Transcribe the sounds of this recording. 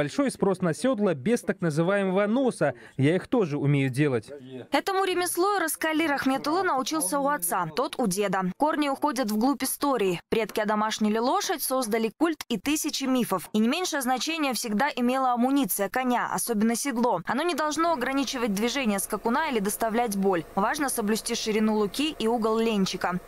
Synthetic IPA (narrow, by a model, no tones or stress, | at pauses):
ɐlʲʂo̞jspɾo̞snɐsʲod̪lˠəbʲest̪aknəzɨvajɪməvənosə | jaixt̪o̞ʐɨʊmʲejʊdʲe̞lˠətʲɛt̪əmʊɾʲɪmʲɪslˠojʊɾəskɐlʲiɾɐxmʲet̪ʊlˠɨnəʊt͡ɕilˠsʲəʊɐt̪sat̪o̞t̪ʰʊdʲe̞d̪əko̞rnʲɪʊxo̞dʲət̪vɡlˠupʲɪst̪o̞ɾʲɪːpɾʲe̞t̪kʲɪɐd̪ɐmaʂnʲɪlʲɪlˠo̞ʂətʲso̞zd̪əlʲɪkulʲt̪it̪ɨsʲɪt͡ɕɪmʲifəfinʲɪmʲenʲʂɨjəznɐt͡ɕenʲɪjəfsʲɪɡd̪aʔɪmʲe̞lˠəɐmʊnʲit̪sɨjəkɐnʲaʔɐ̰so̞bʲɪnːəsʲɪd̪lˠo̞ɐn̪o̞nʲɪd̪ɐlˠʐno̞ɐɡɾɐnʲit͡ɕɪvət̚ʲd̪vʲɪʐɛnʲɪjəskəkʊnaɪlʲɪd̪əst̪ɐvlʲætʲbo̞lʲvaʐnəsəblʲʉsʲtʲiʂɨɾʲɪnulˠʊkʲiʔiuɡəlˠlʲenʲt͡ɕɪkə